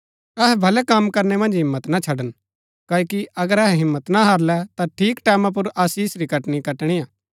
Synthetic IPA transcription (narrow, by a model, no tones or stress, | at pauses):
ɐɦɛbʱɐlɛkamkɐɾnɛmɐ̃nd͡ʒɦɪmːət̪nat͡ʃʰɐɖən | kaːjkiʔɐɡəɾɛɦɛɦɪmːət̪naɦaɾlɛt̪aʈʰiːkʈɛːmãp̬ʊɾaːsiːsɾikɐʈɽ̃ikɐʈɽ̃iaː